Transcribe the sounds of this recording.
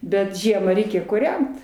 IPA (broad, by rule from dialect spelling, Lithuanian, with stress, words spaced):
ˈbʲɛt ˈʒʲiɛmɐ ˈrʲɛɪkʲɛ kuːˈrʲɛnt